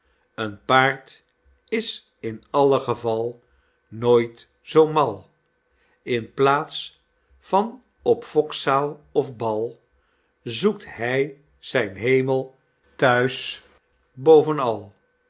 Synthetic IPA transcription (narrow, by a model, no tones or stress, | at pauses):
ənpaːɹt | ɪs | ɪnɑləχəvɑlˠ | noːjt | z̥owmɑlˠ | ɪnplaːts | fɑn | ɔpfɔksaːlˠɔfbɑlˠ | zukthɛj | z̥ɛjnɦejməlˠ | tœɥs | bowvənɑlˠ